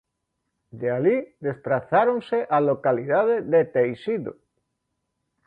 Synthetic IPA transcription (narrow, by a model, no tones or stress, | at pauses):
d̪ealid̪espɾaθaɾonseʔalokaliðaðeðet̪ejsiðo̰